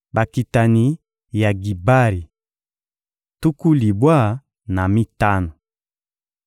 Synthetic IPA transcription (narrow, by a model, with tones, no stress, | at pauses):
ba˨ki˨ta˨ni˨ | ja˨ɡi˨ba˦ɾi˨ | tu˦ku˦li˨bwa˦˨ | na˨mi˦ta˦nɔ˨